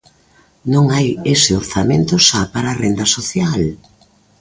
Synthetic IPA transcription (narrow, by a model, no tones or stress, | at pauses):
nõŋajesɪoɾθamẽnt̪ʊsapaɾaːrend̪ɐsoθjal